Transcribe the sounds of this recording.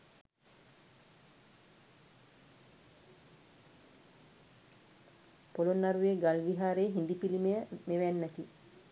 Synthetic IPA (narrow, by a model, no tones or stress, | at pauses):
polonːaɾuʋeɡalʋiɦaːɾeːɦind̪ipilimejəmeʋænːɛt̪i